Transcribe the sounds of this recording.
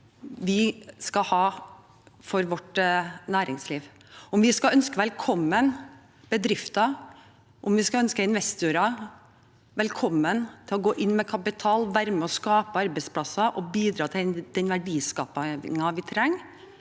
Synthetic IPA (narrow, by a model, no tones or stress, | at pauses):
ʋɪskɑhɑː | fɔɾʋɔʈnæːɾɪŋsliːʋ | ɔmʋɪskɑœnskəʋɛlkʰɔmːən | b̥əd̪ɾɪft̪ɑ | ʔɔmʋɪskɑœnskəɪnʋɛst̪uɾɑ | ʋɛlkʰɔmːənt̪ʰɪlɔɡoːʔɪnːmɛkʰɑpɪt̪ʰɑːlʋæɾmɛɔskɑːpəɑɾbæɪspʰlɑsɑʔɔbiːd̪ɾɑːt̪ʰɪd̪̥ɛnʋæɖiːskɑːpɑŋɑʋɪt̪ʰɾɛŋː